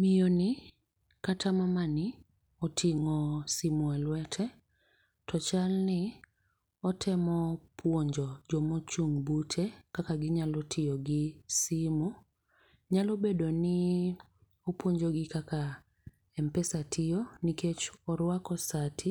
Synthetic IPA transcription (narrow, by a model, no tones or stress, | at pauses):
mijonɪ | katʰamamanɪ | ɔtʰiŋɔsimwalwɛtʰɛ | tɔt͡ʃalnɪ | ɔtʰɛmɔpʰwoɲd͡ʒɔd͡ʒɔmot͡ʃuŋbutʰekakaɡɪɲalɔtʰɪjɔɡɪsimu | ɲalobedonɪ | opwoɲd͡ʒɔɡɪkaka | ɛmpɛsatʰɪɔniket͡ʃɔɾwakɔsatʰi